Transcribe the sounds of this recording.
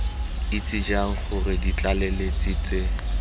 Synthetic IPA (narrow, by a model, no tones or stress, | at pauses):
ɪt͡sʼɪd͡ʒaŋ̩χʊrɪdit͡ɬʼalɛlet͡sʼɪt͡sʼe